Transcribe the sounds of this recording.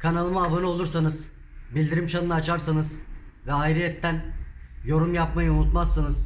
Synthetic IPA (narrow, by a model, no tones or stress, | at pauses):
kʰanalˠɯmaavanɯo̞lˠuɾsanɯz | bilʲd̪iɾimt͡ʃʰanɯnat͡ʃʰaɾsanɯzvɛajɾiɛt̪ʰːænjo̞ɾumjapmajaunut̪masːɯnɯz̥